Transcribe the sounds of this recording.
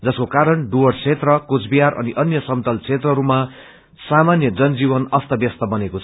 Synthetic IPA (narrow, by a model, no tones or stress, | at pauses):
d͡zʌskokaɾʌɳɖuʌrt͡sʰet̪rʌkot͡sʰbiaɾʔʌ̰niʔʌnjʌsʌmt̪ʌlt͡sʰet̪rʌɦɾuma | samanjʌd͡zʌnd͡zibʌnʌst̪ʌbjʌst̪ʌbʌnekot͡sʰʌ